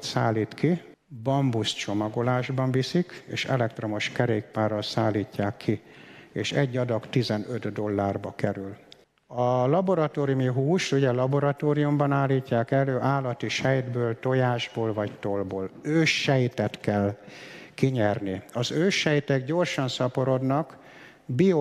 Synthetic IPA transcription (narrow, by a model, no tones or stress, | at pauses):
t̪saːliːt̪kʰi | bɒmbust͡ʃo̞mɒɡo̞laːʒbɒɱvisikḛːʃɛ̰lɛkt̪ro̞mo̞ʃkɛɾeːk̚paːrːɒlsaːlːiːcːaːkʰːieːʃɛ̰ɟːɒd̪ɒkt̪izɛnød̪d̪o̞lːaːrbɒkɛɾyl | ɒlɒboɾɒt̪oːɾijumiɦuːʃt̪uɟɛlɒbo̞ɾɒt̪oːɾijumbɒnaːlːiːcːaːkɛløːʔaːlːɒt̪iʃɛjd̪bøːlt̪o̞jaːʒboːlvɒct̪olboːløːʃːɛjt̪ɛt̪kɛlkiɲɛrniɒzøːʃːɛjt̪ɛɡɟo̞rʃɒnsɒpo̞ɾo̞d̪nɒk | bio